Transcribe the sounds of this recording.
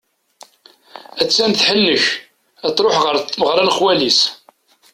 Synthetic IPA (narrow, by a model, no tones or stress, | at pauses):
æt͡sːænθħəlːəç | æt͡sɾˤoħʁəɾt̪ːməʁɾˤænχwælis